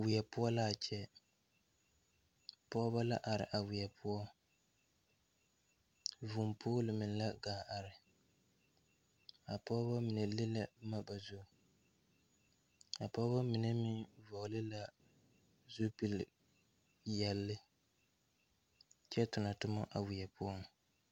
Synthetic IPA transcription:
wɪ˨jɛ˨pʊ˦ɔ˦la˦˨t͡ʃɛ˦ | pɔ˦ba˦la˦ʔa˨ɾɪ̰˨ʔa˨wɪ˨ɛ˨pʰʊ˦ɔ˦ | vu˨mpʰoː˦lɪ˨mɪ˨n˨˦la˦ɡaː˨ʔa˨ɾɪ˨ | a˨pɔ˦ba˦mi˨nɛ˨lɪ˦la˦ma˦ba˨zʊ˦˨ | a˨pɔː˦ba˦mi˨nɛ˦mi˦vɔ˨ɣlɪ˦la˦ | zu˦pi˦l | jɛ˨lːɪ˦ | t͡ʃɛ˦tʊ˨na˨tʊ˦ma̰˦ʔa˨wɪ˨jɛ˨pʊ˦ɔ˦ŋ

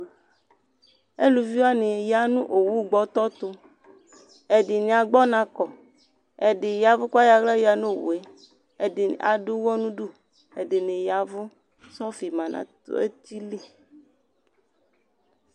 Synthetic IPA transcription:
e˦lu˨vi˦a˦nɪ˨ja˨nũ˦ʔo˨wu˦˨ɡ͡bɔ˨t̪ɔ˦t̪ʊ˨ | ɛ˨dɪ˨nɪ̃˨a˨ɡ͡bɔ˦nã˨kɔ˨ | ɛ˨dɪ˨ja˨vʊ˦ka˦ja˨ɣla˦ja˨nũ˦˨wṵ˨e˦ | ɛ˨dɪ˨a̰˨dʊ˦wɔ˦nũ˦du˦˨ | e˨dɪ˨nɪ̃˨ja˨vʊ˦ | sɔ˦fi˨mã˨nã̰˨t̪ʊ̰˨˦ḛ˦t̪i˦li˦

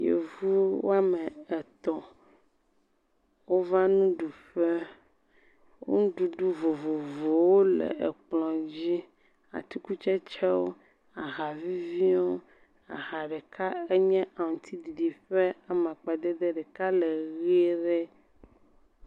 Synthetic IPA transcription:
jḛ˨vu˦wo̰˦a˦mɛ˨ɛ˨t̪ɔ˨ | wo˦va˦nũ˦ɖu˨ɸɛ˦ | wo̰˦ñ˦ɖu˨ɖu˦vo˨vo˨vo˨wo˦lɛ̰˨e˨k͡plɔ̃˨d͡ʑi˦ | a̰˨t̪u˦ku˦t͡ʃɛ˦t͡ʃɛ˦wo̰˦ | a˨ɦa˨vi˦vi˦o˦ | a̰˨ɣa˨ɖɛ˨ka˦ɛ˦ɲɛ̃˦a˨ŋ̩˨t̪ʰi˦di˨ɖi˨ɸɛ˦a˨m˨ã˨k͡pa˨d̪ɛ˦d̪ɛ˦ɖɛ˨ka˦lɛ˨ɣe˦ɖɛ˦

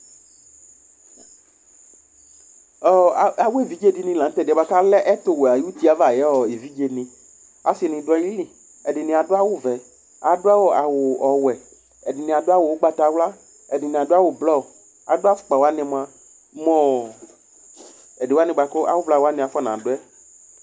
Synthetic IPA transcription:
ɔ˦˨a˨wo˦e˦˨vi˨˦d͡ʒe˦di˦nĩ˧lã˨n̩˦t̪ɛ˦˨˦ba˦ka˦lɛ˦ʔɛ˦t̪o˦we˨a˨ji˦u˦t̪i˦a˨va˨jɛ˨˦ɔ˨e˨vi˦d͡ʒe˧nĩ˨ | a̰˨si˨nĩ˨dʊ˦ɔ˧lĩ˦lĩ˨ | ɛ˨dɪ˨nĩ˨a˨dʊ˦a˦wʊ˦vɛ˨ | a˨dʊ˦a˦wo˨a˨wʊ˨ɔ˨wɛ˨ | ɛ˨dɪ˨nĩ˨a˨dʊ˦a˦wo˨o˦ɡ͡ba˧t̪a˨wla˦ | ɛ˨dɪ˨nɪ̃˨a˨dʊ˦a˦wo˨blɔ˦˨ | a˨dʊ˦a˦fʊ̥˦k͡pa˨wa˦nɛ̃˧m˨a˨˦ | mɔ̃˦ | ɛ˨dwa˦nɪ̃˧˨ɡ͡ba˨kɔ˦ʔa̰˨wʊ˦vla˨wa˦nɪ̃˨a˨fɔ˦nã̰˨dʊ˦ɛ˦

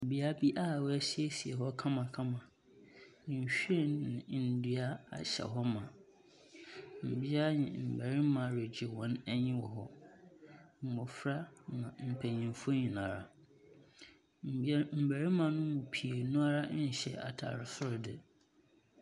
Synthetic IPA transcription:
m̩˨bi˨˦a˦bi˦ʔa˦˨wæ˦si˦e˦si˨ḛ˨ɦɔ˦kʰã˦mã˨kʰã˦mã˨ | ɲ̩˨ɕᶣe˦˨nɪ̃˨˦˨n̩˨dɥa˦a̰˨ɕɛ̰˨ɦɔ˦mã˨ | m̩˨bi˦a˦ɲɪ̰̃˨m̩˨bæ˨ɾi˦mã˨ɾe˨d͡ʑɪ˨wɔ̃˨˦næ˦ɲɪ̃˦wɔ˨ɦɔ˦ | m̩˨mʊ˨fɾa˦nã˨m̩˨pʰæ˨ɲĩ˨m˨fo˦ɲĩ˨nã˨ɾa̰˨ | m̩˨˦m̩˨bæ˨ɾĩ˦mã˨nʊ̃˦mʊ̃˨pʰi˨e˨nũ˦a˦ɾa˦ɲ̩˨ɕɛ̰˨a̰˨tʰa̰˨ɾɪ˨sʊ˦ɾdɪ˨

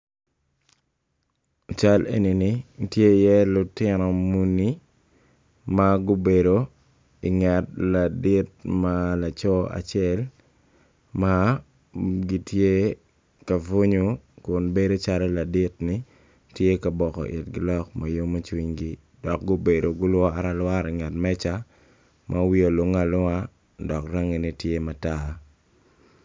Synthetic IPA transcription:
t͡ʃa˦lḛ˦ni˨ni˦tje˦jɛ˦lʊ˨tɪ˦nɔ˨mu˦ni˦ | maɡʊ˦be˨ɾo | i˨ŋɛ˨t̚la˨dɪ˦t̚mala˨t͡ʃɔ˦a̰˨t͡ʃɛ˦l | ma˦ | ɡi˦tje˦ | ka˨vo˦ɲo˦kʊ˨nbe˦do˦t͡ʃa˦ɾɔ˦la˨dɪ˦tnɪ˦ | tje˦ka˨bɔ˨kɔ̰˨ʔɪ̰˨tɡɪ̰˨lɔ˦kma˨jo˦ma˦t͡ʃwi˦ɲɡi˦ | dɔ˨k̚ɡʊ˦be˨do˨ɡʊ˦lwɔ˦aɾa˨lwa˦ɾi˨ŋɛ˨tmɛ˦t͡ʃa˦ | mʔa˦wi˦o˨lo˦ŋa˨la˦ | dɔ˨kra˦ŋe˨ni˦tje˦ma˨ta˦

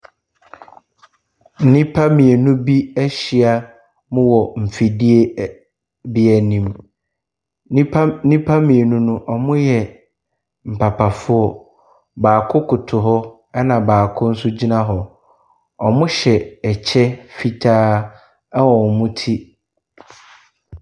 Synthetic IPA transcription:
n̩˦nɪ̃˦pʰa˦mĩ˨e˨nʊ̃˦bi˦æ˦ɕi˨a˨ | mʊ̃˦wɔ˨m̩˨fi˨di˦e˦ | bi˦ɛ˨nĩ˨m˦ | nĩ˦pʰa˦mĩ˨e˨nũ˦nʊ̃˦ʔɔ˨mʊ̃˦jɛ˨ | m̩˨pʰa˨pʰa˨fʊ˦ɔ˦ | baː˨kʰʊ˦kʰʊ˨tʰʊ˨ɦɔ˦ | ɛ˦nã˨baː˨kʰʊ̃˦n̩˦sʊ˦d͡ʑi˦nã˦ɦɔ˨ | ɔ˨mʊ̃˦ɕɛ˨ɛ˨t͡ɕʰɛ˦fi˦tʰaː˦ | ɛ˦wɔ˨mʊ̃˦tʰi˦

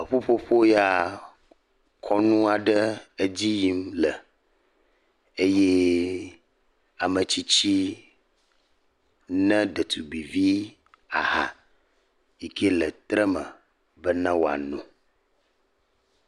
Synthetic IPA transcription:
ə˨ɸo˦ɸo˦ɸo˦ja˨ | kʰɔ˦nũ˦a˨ɖə˦ə˦d͡ʑi˦ji˦mlə˨ | e˦jɛ˦ | a˨mə˨t͡ɕi˦t͡ɕi˦ | nɛ̃˦ɖə˨t̪ʰu˨bi˨vi˦ | a̰˨ɦa̰˨ | i˨kʰe˦lə˨t̪ɾə˦mə̃˨ | bə˦nɛ̃˦wo˨a̰˨nũ˨

